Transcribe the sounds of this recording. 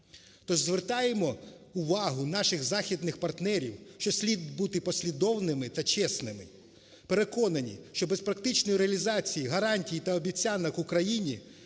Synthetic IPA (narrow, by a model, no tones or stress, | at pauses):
t̪ɔʒzʋert̪ɑjemɔ | ʊʋɑɦʊnɑʃɪɣzɑxʲid̪nɪxpɐrt̪nɛɾʲiwʃt͡ʃɔsʲlʲid̪̚but̪ɪpɔsʲlʲid̪ɔwnɪmɪt̪ɐt͡ʃɛsnɪmɪ̰ | peɾekɔnɐnʲḭʃt͡ʃɔbespɾɐkt̪ɪt͡ʃnɔjiɾeɐlʲizɑt͡sʲijiɦɐɾɑnʲtʲijit̪ɐɔbʲit͡sʲanɐkʊkɾɐjinʲi